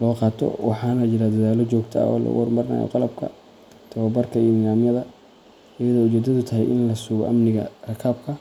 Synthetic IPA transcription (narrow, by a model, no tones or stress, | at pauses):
lɔːqɑːt̪ʰɔ̰wɑ̰ħɑːnɐt͡ʃɪɾad̪ɐðaːlɔt͡ʃɔːɡt̪ʰɐ̰ɔ̰ːlɐ̰wɔrmɐrɪna̰ːjɔ̰qɑlɐb̚kʰɐ̰ | t̪ʰɐwɐbɐrkʰɐiːnɪlaːmjɐðɐ | ɪjɐðɔːʊt͡ʃɛːd̪ɐðʊt̪ʰɐɦɛ̰jʔɪnlɐsʊɣɔ̰ʔɐmnɪɣɐ̰rɐkʰɐb̚kʰɐ